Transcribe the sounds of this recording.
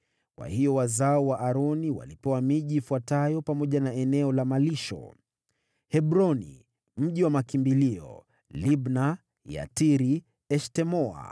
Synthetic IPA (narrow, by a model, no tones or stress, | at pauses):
wa̰hiɔwazaɔwaʔaɾɔniwa̰lipɛwamiʄiːfuwatajɔpamɔʄanaɛnɛɔlamaliʃɔ̰ | hɛbɾɔnḭ | m̩ʄiwamakimbiliɔ̰ | libna | ja̰tiɾi | ɛʃtɛmɔa̰